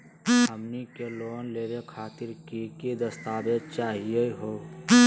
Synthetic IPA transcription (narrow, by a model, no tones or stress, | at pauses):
əmnikeloːnleːɾekʰaːt̪ɪɾkikid̪əst̪aːbet͡ʃaːɦijeɦoː